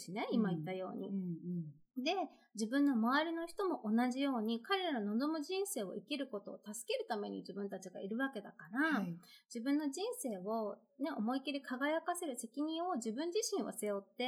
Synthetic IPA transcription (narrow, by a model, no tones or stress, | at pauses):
ɕine̞imait̪ːajo̞ːɲ̟ḭ | d̪e̞ | d͡ʑibɯ̟̃nːo̞maβaɾʲino̞çi̥t̪o̞mo̞ʔonaʑijo̞ːɲ̟ikaɾe̞ɾanonod̪o̞moʑĩɰ̃se̞ːo̞̰ikʲiɾɯ̟ko̞t̪o̞ːt̪asɨ̥ke̞ɾɯ̟t̪ame̞̰ɲ̟ḭd͡ʑibɯ̟nt̪at͡ɕiɡa̰iɾɯ̟βake̞d̪akaɾad͡ʑ̥ibɯ̟̃nːo̞ʑĩɰ̃se̞ːo̞ | neʔo̞mo̞ikʲiɾʲikʰaɡajakase̞ɾɯ̟se̞kʲiɲ̟ĩɰ̃o̞ʑibɯ̟̃ɲ̟d͡ʑiɕĩɰ̃βo̰se̞jo̞t̪ːe̞